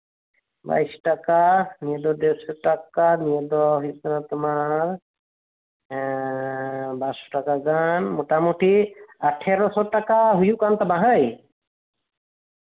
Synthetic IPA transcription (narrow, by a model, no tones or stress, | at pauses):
ba̰jsʈakanijed̪ɔd̪ɛwsɔʈakanijed̪ɔɦujukanat̪umaɾ | basɔ̥ʈakaɡanmoʈamuʈʰiaʈʰɛɾɔsɔʈakaɦujukant̪amaɦəj